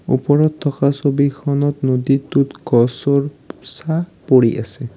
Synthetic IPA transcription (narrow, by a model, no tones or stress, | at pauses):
ṵpɔɹɔtʰːɔkasobikʰɔnɔtnoditutkɔsɔɹsapoɹiʔa̰sɛ